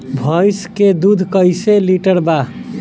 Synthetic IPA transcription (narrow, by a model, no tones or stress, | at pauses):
bʱəjsked̪ud̪ʱkəjseliʈəɾba